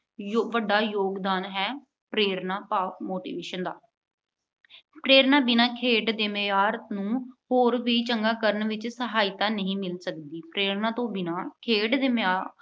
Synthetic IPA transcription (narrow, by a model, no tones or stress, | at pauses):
jʋəɖːaːjoːɡd̪aːnɦɛː | pɾeːɾnaːpaːmoːʈḭːʋeːʃənd̪a̰ː | pɾeːɾnaːbɪnaːkʰeːɖd̪eːmeaːɾnũːhoːɾʋiːt͡ʃəŋɡaːkəɾənʋɪt͡ʃsəɦaːɪt̪aːnəɦĩːmɪlsəkd̪iːpɾeːɾnaːt̪õːbɪnaːkʰeːɖd̪eːmaː